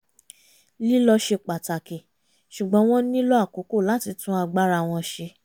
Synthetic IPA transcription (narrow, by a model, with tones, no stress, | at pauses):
li˦lɔ˧ʃe˧k͡pa˨ta˨ke˨ | ʃu˨ɡ͡bɔ̃˨˦w̃ɔ̃˦nĩ˦lɔ˦a˦˨ko˨˦ko˦˨la˨˦ti˧tũ˦a˧ɡ͡ba˦ɾa˧˨w̃ɔ̃˧ʃe˧